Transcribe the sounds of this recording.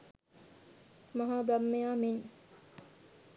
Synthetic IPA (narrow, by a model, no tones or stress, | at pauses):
mɐɦaːbɾamːejaːmen